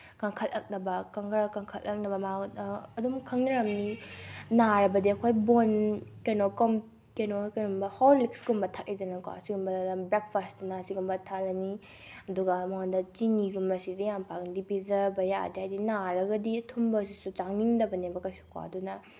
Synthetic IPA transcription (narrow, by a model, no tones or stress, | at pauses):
kaŋkʰɐtɐk̚nɐbɐkaŋɡɾɐkaŋkʰɐtɐk̚nɐbɐmaɐdumkʰɐŋnɐɾɐmninaɾɐbɐdiɐkʰojbonkɐjnokɔm | kejnokɐnumbɐhowɾlik̚sɡumbɐtʰak̚lijdɐnɐka̰ɐsiɡumbɐbɾek̚pʰasttɐnɐsiɡumbɐtʰalɐni | ɐduɡɐmɐŋandɐt͡ʃiŋiɡumbɐsidɐjampakndipizɐbɐja̰dihajdinaɾɐɡɐditʰumbɐs̬isut͡ʃaŋniŋdɐbɐnebɐkɐjsu̥ka̰ɐ̰dunɐ